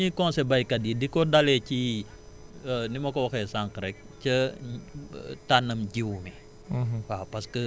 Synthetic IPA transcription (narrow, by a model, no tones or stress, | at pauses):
ɲikɔnsɛbajkadidikɔdalɛci | ənimɐkɔwɐxɛsaŋkɾɛk̚t͡ʃə | tanɐmɟiwmi | wapɐskə